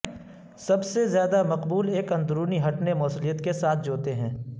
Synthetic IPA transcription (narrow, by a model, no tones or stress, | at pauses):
sɐbsezjaːd̪amɐqbuːleːkɐ̃nd̪ʊɾuːniɦɐʈnemɔːslijət̪kesaːt̪̚ʰd͡ʒoːt̪eɦɛ̃ː